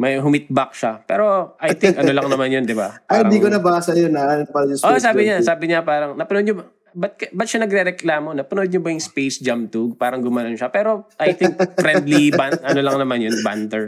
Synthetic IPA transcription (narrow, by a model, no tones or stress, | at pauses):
mɐjɦʊmɪt̪̚bɐk̚ʃapɛ̰ːɾo̞ʔɐjt̪ɪŋkɐnolɐŋnɐmanjond̪ɪbaaɪd̪iːkonɐbaːsɐjonɐanɐpɐljʊsosaːbɪɲasaːbɪɲapaːɾɐŋnɐpɐnod̪̚ɲobɐ | bɐt̪̚kɐbɐt̪̚ʃanɐɡɾɛɾɛklaːmo̞nɐpɐnod̪̚ɲʊbɐjʊŋspejsd͡ʒamt̪uɡ̚paːɾɐŋɡʊmaːlonʃapɛːɾo̞ʔɐjt̪ɪŋk̚fɾɛnd̪libanʔɐnolɐŋnɐmanjonbant̪ɛɹ